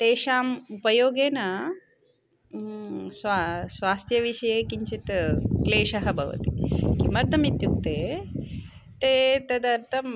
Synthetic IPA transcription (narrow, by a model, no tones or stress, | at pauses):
t̪eːʃaːmupɐjoːɡeːnɐ | sʋasʋaːst̪ʰjɐʋiʃɐjeːkiɲt͡ʃit̪kleːʃɐɦɐbʱɐʋɐ̰t̪ikimɐɾd̪ʱɐmit̪juk̚t̪eː | t̪eːt̪ɐd̪ɐɾt̪ʰɐm